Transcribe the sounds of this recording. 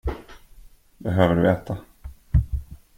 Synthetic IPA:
bɛɦøːvəɖɵ̰ɛːt̪a

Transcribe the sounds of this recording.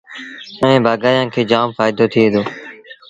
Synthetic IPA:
ə̃ʋẽːbaːɡaːjãːkʰeːd͡ʒaːmfaːɪd̪oːt̪ʰiːẽːd̪oː

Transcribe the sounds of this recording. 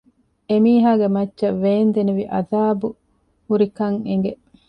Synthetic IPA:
emiːɦaːɡemɐtːʃɐʋːeːnd̪eneʋiʔɐ̰d̪aːbu | huɾikɐŋeŋɡe

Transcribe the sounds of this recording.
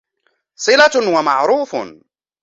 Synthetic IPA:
sˤɨlawamaʕɾuːf

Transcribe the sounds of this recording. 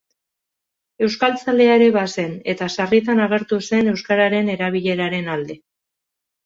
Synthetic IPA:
e̞wskalt͡sald̪e̞aeɾe̞βase̞ne̞t̪asarit̪anaɣ̞e̞ɾt̪use̞ne̞wskaɾaɾe̞ne̞ɾaβ̞iʎe̞ɾaɾe̞nald̪e̞

